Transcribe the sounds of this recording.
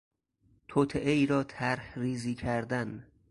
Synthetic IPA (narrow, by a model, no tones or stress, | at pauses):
t̪ʰot̪ʰeʔeiːɾɒːt̪ʰæɾhɾiːziːkʰæɾd̪æn